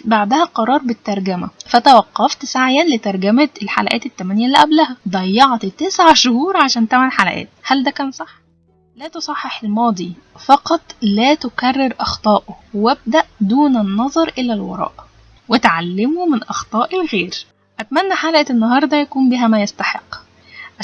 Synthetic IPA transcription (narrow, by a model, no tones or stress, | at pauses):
baʕd̪æhæqɑɾˤɑːɾˤbet̪ːɑɾˤɡæmæfæt̪æwæqːɑft̪saʕjænlet̪ɑɾˤɡæmæelħa̰læʔæ̰ːt̪et̪ːæmænjælːiʔæblæhæd̪ˤɑjːɑʕt̪t̪ːesʕaʃohuːɾˤʕaʃæːnt̪æmænħalæ̰ʔæ̰ːt̪̚hæld̪ækæːnsˤɑħː | læːt̪osˤɑħːeħelmɑːd̪ˤifɑqɑt̪ˤlæːt̪okærːeɾʔɑxt̪ˤɑːʔoweb̚d̪æʔd̪uːnɪnːɑzˤɑɾˤʔelælwɑ̰ɾˤɑ̰ːʔ | wet̪ʕalːemomɪnʔɑxt̪ˤɑːʔelɣeːɾ | ʔæt̪mænːæħalʔæenːɑɦɑːɾˤd̪ˤæjækuːmbiːɦæmæjest̪ɑħeqː | ʔ